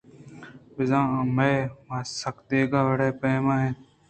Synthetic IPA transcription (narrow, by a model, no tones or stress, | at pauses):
bɪzãːãːmeemãːsəkd̪eːɡaːʋəɽeːpẽːmãːɦẽː